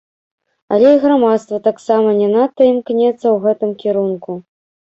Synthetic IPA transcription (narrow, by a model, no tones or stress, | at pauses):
a̰lʲɛiɣramat̪st̪vɐt̪aksamɐnʲɛnat̪ːɐimknʲɛt̪sːɐwɣɛt̪ɨmkʲɛɾunku